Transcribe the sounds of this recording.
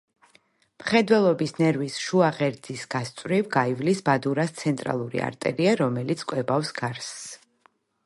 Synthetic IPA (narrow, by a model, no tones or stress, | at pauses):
mχɛd̪wɛlˠɔbisnɛɾvisʃuaʁɛɾd̪zisɡ̥ast̪sʼvɾivɡaivlisbad̪uɾast̪sʰɛnt̪ʼɾa̰lˠuɾḭa̰ɾt̪ʼɛ̰ɾiaɾɔmɛlit̪sʰkʼwɛbafsɡ̥aɾsː